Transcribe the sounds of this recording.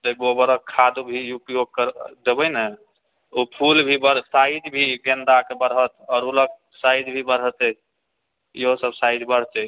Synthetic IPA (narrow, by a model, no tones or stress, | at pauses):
t̪əɡobəɾəkʰːad̪ubʱiupijoɡkəɾd̪ebəjne | upʰulbʱibəɾsaid̪bʱiɡẽnd̪akebəɾɦət̪ɔːɾulək̚ | sajd̪bʱibəɾɦət̪ɛ | jeɦosəbsajd̪bəɾ̤t͡ʃɛ